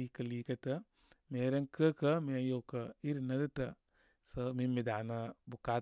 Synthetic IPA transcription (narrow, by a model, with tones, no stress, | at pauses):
i˦kə˨liː˦kə˦tə˦ | me˨˦ɾe˦ŋkʰə˦kə˦mi˨a˨˦jo˨kə˨i˦ɾi˨na˦dɨ˦tə˨ | sə˦mi˦mi˨da˨na˧bu˨ka˦